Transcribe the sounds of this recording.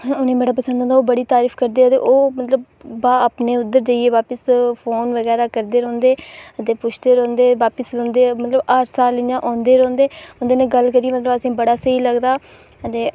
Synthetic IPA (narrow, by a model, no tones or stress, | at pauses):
ʊnẽːmeːɽaːp̬əsə̃nd̪ɔ̃nd̪aːoːbəɽiːt̪aːɾiːfʰkəɾd̪eːot̪ḛːʔoːmət̪ləb | aːəːpneːʊd̪əɾd͡ʒaːieːʋaːpəspʰoːnʋəɡɛːɾaːkəɾd̪eːɾɔ̃ːnd̪eːət̪eːpʊt͡ʃʰd̪eːɾɔ̃ːnd̪eːʋaːpəsnd̪eːmət̪ləbaːɾsaːlɪjãːʔɔ̃ːnd̪eːɾɔ̃ːnd̪eːõnd̪eːnẽːɡəlkəɾieːmət̪ləbəsĩːbəɽaːsəiːləɡd̪aː | ət̪eː